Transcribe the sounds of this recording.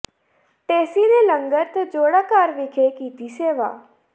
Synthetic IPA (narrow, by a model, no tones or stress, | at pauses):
ʈeːsiːneːləŋɡəɾt̪ed͡ʒoːɽaːkaɾʋɪkʰeːkiːt̪iːseːʋa̰ː